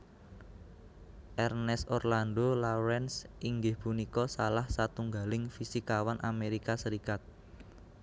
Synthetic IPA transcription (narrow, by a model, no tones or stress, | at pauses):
ʔɛrnɛsɔrlandolaɾɛnsʔiŋɡɪhpunikɔsalahsat̪uŋɡa̤lɪŋfisikawanʔameɾikasəɾikat̪̚